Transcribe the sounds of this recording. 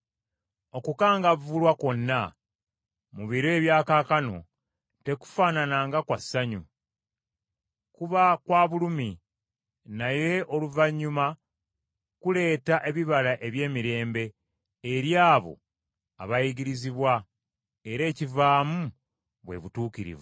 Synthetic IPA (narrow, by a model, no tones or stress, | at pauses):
o̞kukaːŋɡavulwako̞nːa | muβiɾwe̞ːβjaːkaːkano̞̰ | te̞ku̥faːnanaːŋɡakwasːaɲu | kuβakwaːβulumi | naje̞ʔo̞luvaɲːuma | kule̞ːtaʔe̞βiβalaʔe̞βje̞ːmiɾe̞ːmbe̞ː | ɾjaːβo̞̰ | a̰βajiɡiɾiziβwa | eɾe̞ːcivaːmu | βwe̞̰βutuːkiɾḭvu